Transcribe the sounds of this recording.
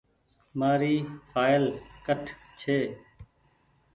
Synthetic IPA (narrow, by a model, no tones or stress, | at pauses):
maːɾiːfʰaːɪlkəʈʰ | t͡ʃʰeː